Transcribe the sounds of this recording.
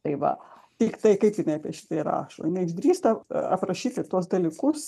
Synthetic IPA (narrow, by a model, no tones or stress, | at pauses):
t̪ɐɪʋɐ̰ | t̪ʲɪkt̪ɐɪkɐɪpjɪnɐɪɐpʲiɛʃʲɪ̥t̪ɐɪɾɑ̰ːʃo̰ːjɪnɐɪɪʒʲd̪ʲɾʲiːst̪ɐɐ̰pɾɐʃʲiːt̪ʲɪt̪uɔs̬d̪ɐlʲikʊs